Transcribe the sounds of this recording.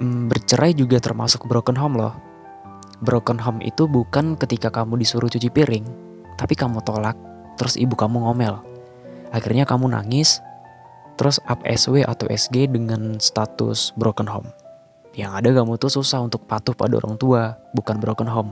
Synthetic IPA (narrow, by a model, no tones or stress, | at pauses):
mbərt͡ʃəɾʔajd͡ʒuɡat̪ərma̰sʊk̚bɾokənɦɔmlɔ̰h | bɾokənɦɔmḭt̪ubukankət̪ikakamudisuɾʔʊht͡ʃut͡ʃipiɾɪŋ | t̪apikamut̪olak̚ | t̪əɾʊsḭbukamuŋomɛl | ʔaxḭrɲakamuna̰ŋɪs | t̪əɾʔʊsʔa̰pɛ̰sweʔa̰t̪a̰wʔɛ̰sɡedəŋanst̪at̪ʊ̰sbɾokənɦɔ̰m | jaŋadakamut̪ususahunt̪ʊk̚pat̪ʊhpa̰dao̰ɾʔa̰ŋt̪uabukanbɾokənɦɔm